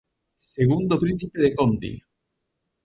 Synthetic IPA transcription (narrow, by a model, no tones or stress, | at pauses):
seɣund̪opɾin̟θipeðekont̪ḭ